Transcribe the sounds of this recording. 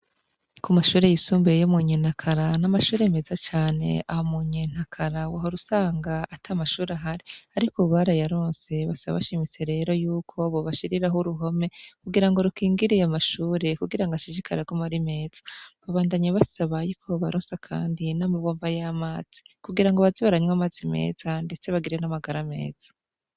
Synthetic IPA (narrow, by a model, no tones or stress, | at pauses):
kumaʃuːɾe̞jisuːmbejomuɲeːn̥hakʰaɾanamaʃuːɾeme̞zat͡ʃaːne̞̰ahomuɲeːn̥hakʰaɾawaɦoɾusaːŋɡaːtʰamaʃuːɾeaɦaɾiaɾikoβaɾajaɾoːnse̞βasaβ̰βaʃimit͡se̞ɾe̞ːɾo̞juːkʰo̞βo̞βaʃiɾiɾaɦoɾuɦo̞me̞kuɡiɾaŋɡo̞ɾukiːŋɡiɾejamaʃuːɾe̞kuɡiɾaŋɡaʃiʒikʰaɾaɡomaɾime̞ːz̥ḁβaβaːndaɲeβasaβajikʰoβaɾoːnsakʰa̰ːndinamaβoːɱvajamaːz̥i̥kuɡiɾaŋɡoβaziβaɾaɲwamaːzime̞̰ːzande̞t͡se̞βaɡiɾe̞namaɡaɾame̞̰ːz̥ḁ